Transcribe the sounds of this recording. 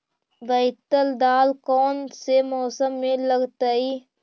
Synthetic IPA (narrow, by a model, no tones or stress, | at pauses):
ʋəɪt̪əld̪aːlkɔːnsemɔːsəmːẽləɡt̪əi